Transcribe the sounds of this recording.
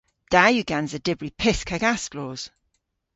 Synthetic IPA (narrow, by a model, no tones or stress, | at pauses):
d̥ajʉɡãnzədɪbɹipʰɪskʰəɡasklɔːz̥